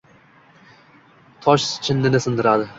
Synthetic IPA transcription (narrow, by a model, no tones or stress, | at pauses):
t̪ʰɒʃt͡ʃʰɪnːɪnɪsɪnd̪ɪɾad̪ɪ